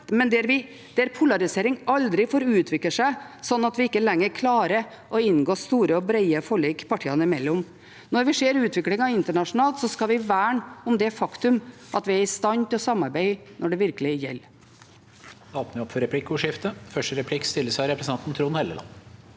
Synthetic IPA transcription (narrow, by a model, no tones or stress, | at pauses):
mɛnd̪ɛæɾʋɪ | d̪̥ɛæɾpʰʊlɑɾɪseːɾɪŋɑld̪ɾɪfoːɾʉːt̪ʰʋɪkləʂæɪsɔnːɑt̪ʋɪɪkːəlɛŋːəɾkʰlɑːɾə | ʔɔɪnɡoːst̪uːɾəɔbɾeɪəfɔɭiːkpʰɑʈʰiːɑnəɪmɛlːɔm | nɔɾʋɪʂeːɾʉːt̪ʰʋɪklɪŋɑʋɪnt̪əɳɑʂnɑːlt̪sɔskɑʋɪʋæːɳʊmd̪ɛfɑkt̪ʉm | ʔɑt̪ʋɪæɾɪst̪ɑnt̪ɪlɔsɑmːɑɾbæɪnɔɖɛʋɪɾkəlɪjɛ̰lː | d̪ɑːp̪nəʋɪɔpfɔɾɛpʰlɪkːʊːʂɪft̪əfœʂʈəɾɛpʰlɪkːst̪ɪlːəsɾɛpɾəsnɑnt̪n̩t̪ʰɾuːnhɛlːəlɑ̰nː